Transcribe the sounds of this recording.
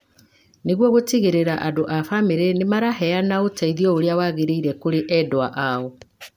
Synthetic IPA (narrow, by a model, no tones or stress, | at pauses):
neɣwɔɣotiɣeɾeɾaʔadoʔafameɾenemaɾaɦɛanaotaiðiɔoɾeawaɣeɾeiɾɛkoɾeʔɛdowaʔaɔ